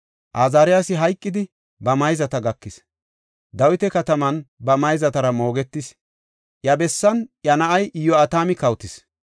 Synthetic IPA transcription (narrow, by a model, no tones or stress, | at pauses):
ʔaːzaːɾɪjaːsɪɦɐjkʼːɪd̪ɪ | bɐmɐjzɐt̪ɐɡɐkːɪs | d̪ɐwɪt̪ɛkɐt̪ɐmɐnbɐmɐjzɐt̪ɐɾɐmo̞ːɡɛt̪ːɪs | ʔjɐbɛsːɐnjɐnɐʔɐjɪjːɔɐt̪aːmɪkɐwt̪ɪs